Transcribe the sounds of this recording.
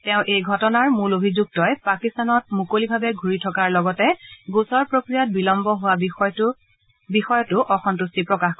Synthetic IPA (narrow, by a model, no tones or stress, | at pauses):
tɛ̃ʊ̃ʔejɡʱɔtɔnaɹmulobʱizuɡ̚tɔjpakistanɔt̚mukolibʱabɛɡʱuɹitʰɔkaɹlɔɡɔtɛɡusɔɹpɹokɹijat̚bilɔmbɔɦʊwab | bixɔjɔtʊʔɔxʰɔntustipɹɔkaxk